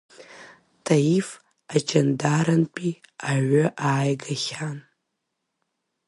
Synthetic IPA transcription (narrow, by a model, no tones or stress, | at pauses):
tʰajif | at͡ʃʰandaɾanpʼiaʕʷʊʔaːjɡaχʲan